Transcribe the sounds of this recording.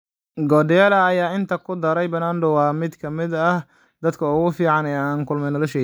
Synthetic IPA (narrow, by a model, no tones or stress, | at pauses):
ɡɔd̪ɛlɐːjaːɪnt̪ʰɐkʰʊd̪ɐɾɛjbɐnaːnd̪ɔwɑːmɪd̪kʰɐmɪd̪ɐh | d̪ɐd̪kʰɐʊɣʊfiːʕɑnɛːaːŋkʰʊlmɛjnɔlɔʃɛː